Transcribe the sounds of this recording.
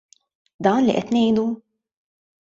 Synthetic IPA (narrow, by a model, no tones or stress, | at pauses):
d̪ɐːnlḭʔɛt̪nɛjd̪u